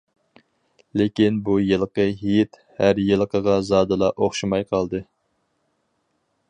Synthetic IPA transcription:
lekʲinbujɨlˠəqəɦijɪt̪ | hæɾjɨlˠəqʰəʁɑzɑːd̪ɨlˠɑʔoχʃimɑjqʰɑlˠd̪ɨ

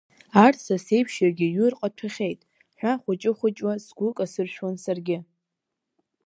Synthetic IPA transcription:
artʰsase̞jpʰʃjarɡʲɪɥʊrqʼatʰaχʲe̞jtʼ | ħᶣʷaχʷʊt͡ʃʼɪχʷʊt͡ʃʼwasɡʷʊkʼasɨrʃᶣwansarɡʲɪ

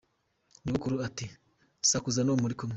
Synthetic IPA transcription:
ɲuβukuɾuati | sakuzanomuɾikom

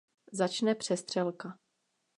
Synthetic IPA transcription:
zat͡ʃnɛpr̝̥ɛst̪r̝̥ɛlka

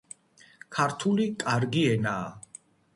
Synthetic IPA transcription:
kʰaɾt̪ʰulikʼaɾɡiɛnaː

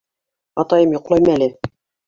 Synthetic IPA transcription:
ɑt̪ɑjɤmjŏqlˠɑjmælɘ

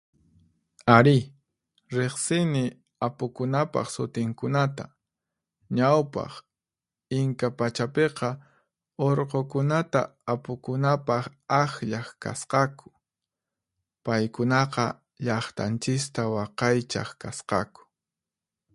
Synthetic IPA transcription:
aɾɪ | ɾeχsɪnɪ | apʊkʊnapɑ̰χsʊt̪ɪŋkʊnat̪a̰ | ɲawpɑ̰χ | ɪŋkapat͡ʃapeqɑ | oɾqokʊnat̪aːpʊkʊnapɑχaxʎaχka̰sqɑkʊ̥ | pajkʊnɑqɑ | ʎɑχt̪a̰nt͡ʃɪst̪awɑqɑjt͡ʃa̰χkasqɑ̰kʊ̥

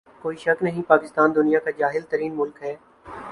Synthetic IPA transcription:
koːiːʃɐknɐɦĩpaːkɪst̪aːnd̪ʊnijakad͡ʒaːɦɪlt̪əɾiːnmʊlkɦɛː

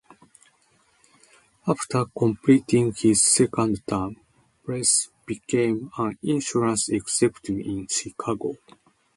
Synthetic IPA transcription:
aft̪ʰəkʰõmplit̪ĩŋhizːekãndt̪ʰãɪ̃m | pɹesb̥ikʰẽmãnĩnʃɔɹãnseksɛpt̪ivĩnʃikʰaɡo

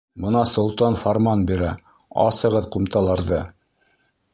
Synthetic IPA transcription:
bɤ̆nɑsŏlˠt̪ɑnfaɾmɑnbiɾæ | ɑ̰sɤ̆ʁɤðqumt̪ɑlˠɑɾðɤ

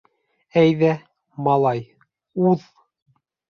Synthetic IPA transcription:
æjðæ | mɑlˠɑj | uð

